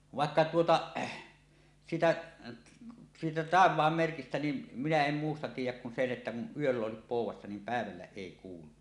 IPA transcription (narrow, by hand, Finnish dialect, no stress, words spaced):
ʋɑˑekːɑ tuotɑ siːtæ siːtæ tɑˑeʋˑɑːmːerkistæ nin minæ em muːstɑ tiːjˑæk kun sen ʔetːæ kun yølː oˑesip poˑuwˑɑsːɑ niːm pæˑeʋælːæ eˑi kuːlu